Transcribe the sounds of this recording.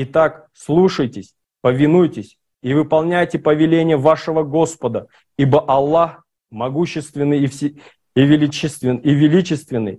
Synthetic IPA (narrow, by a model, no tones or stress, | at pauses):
it̪ak | slˠuʂəjtʲɪsʲ | pəvʲɪnujtʲɪsʲ | ivɨpɐlˠnʲæjtʲɪpəvʲɪlʲenʲɪjəvaʂɨvəɡo̞spəd̪ə | ibəʔɐlˠːax | mɐɡuɕːɪst̪vʲɪnːɨjfsʲ | ivʲɪlʲit͡ɕːɪst̪vʲɪivʲɪlʲit͡ɕɪst̪vʲɪnːɨ̰j